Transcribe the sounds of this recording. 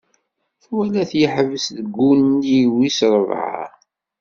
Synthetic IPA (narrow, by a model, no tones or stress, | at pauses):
θwælæθjəħvəsðəɡːuniwisɾˤəvʕa̰